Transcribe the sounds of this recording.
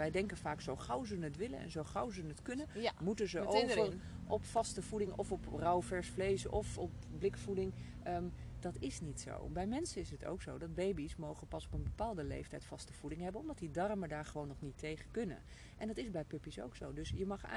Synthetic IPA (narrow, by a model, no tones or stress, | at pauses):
ɛjdɛŋkənvaːksowχʌwzənətʋɪlə̰nɛ̰nzowχʌwzənətkɵnənmutənzəʔowvən | ʔɔpfɑstəvudɪŋɔfɔprawvɛɹsflejsɔ̰fɔp̚blɪkfudɪŋ | əd̥ɑtɪsnitso̰wbɛjmɛnsənɪsətʰo̰wkso̰wdɑd̚bejbismowχənpɑsɔpənbəpaːlˠdəlḛjftɛjtfɑstəv̥udɪŋɦɛbənɔmdɑtdidɑrmədaːɹχəʋownːɔχnitejχəkɵnə̰n | ʔɛndɑtɪzbɛjpɵpiso̰wkso̰wdɵsjəmɑχ